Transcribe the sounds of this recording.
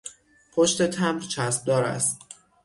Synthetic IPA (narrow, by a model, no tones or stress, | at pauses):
pʰoʃt̪e̞t̪ʰæmɾt͡ʃʰæsb̥̚d̪ɒːɾæ̰st̪̚